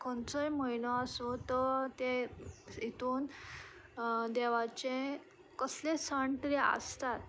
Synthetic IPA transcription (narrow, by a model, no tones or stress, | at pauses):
kɔɳt͡sɔjməinɔəsot̪ət̪e | it̪uːn | d̪eʋat͡ɕẽ | kəslẽsəɳʈɾiə̰st̪at̪̚